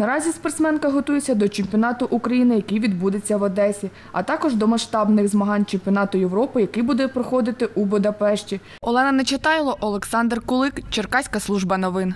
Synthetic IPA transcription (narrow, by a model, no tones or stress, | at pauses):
nɐɾɑzʲispɐrt̪smɛnkɐɦɔt̪ujesʲɐd̪ɔt͡ʃemʲpʲɔnɑt̪ʊʔʊkɾɐjinɪjɐkɪjʋʲid̪bud̪et͡sʲːɐʋɐd̪ɛsʲi | ɐ̰t̪ɑkɔʒd̪ɔmɐʃt̪ɑbnɪɣzmɐɦɑnʲt͡ʃemʲpʲiɔnɑt̪ʊjeʋɾɔpɪjɐkɪjbud̪ɛpɾɔxɔd̪ɪt̪ɪʔubʊd̪ɐpɛʃt͡ʃʲi | ɔlˠɛnɐnɐt͡ʃɪt̪ɑjlˠɐʔɔlˠeksɑnd̪rkʊlˠɪkt͡ʃerkɑsʲkɐslˠuʒbɐnɔʋɪn